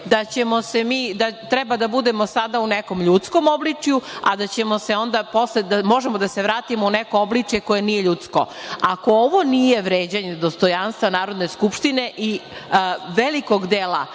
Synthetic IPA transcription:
d̪at͡ɕemo̞semiːd̪at̪ɾebad̪abud̪e̞mosad̪auneko̞mʎut̪sko̞mo̞blit͡ʂjuad̪at͡ɕe̞mo̞se̞o̞nd̪aposled̪amo̞ʒemo̞d̪ase̞ʋɾaːt̪imounekooblit͡ʂjeko̞jenijeʎut̪sko̞̰ | ako̞oʋo̞nije̞ʋɾeːd͡ʑaɲed̪ost̪o̞janst̪ʋanaːɾo̞d̪neskupʃt̪ine̞ʔi | ʋeliko̞ɡd̪eːla

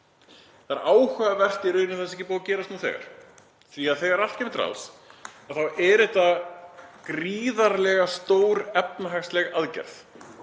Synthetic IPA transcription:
θaa̰ɾʔaːwhœðavɛr̥t̪ɪiɾʏːɥnɪθɛs̬ɛhcɪpoːwcɛːɾast̪nuθɛ̰ːɣa̰ɾ̥ | θviaðθɛɣaɾal̥̚cɛmɪt̪ɾa̰lsaðθawʔɛɾɛt̪a | kɾiːðaɾlɛɣast̪oːwɾɛp̚naɦaxslɛɣaðcɛ̰ɾ̥θ

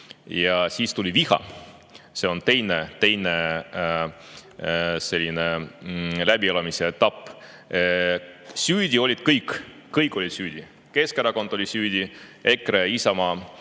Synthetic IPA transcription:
jɑsiːst̪ulʲivihɑ̰ | se̞o̞nt̪e̞jnet̪e̞jne | se̞lʲːine | læb̥ielɑmiseet̪ːɑpːˑ | syːd̪ʲio̞lʲid̪̥kɤjkː | ɯjkˑːo̞lʲid̪̥syːd̪̥ʲi | ke̞skeɾɑko̞nd̪̥o̞lʲisyːd̪̥ʲie̞kɾeisɑmɑː

